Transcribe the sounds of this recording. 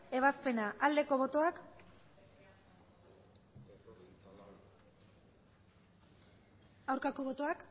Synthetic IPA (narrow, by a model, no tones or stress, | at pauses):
e̞β̞aspe̞naʔald̪e̞ko̞β̞o̞t̪o̞ak | awɾkako̞β̞o̞t̪o̞ak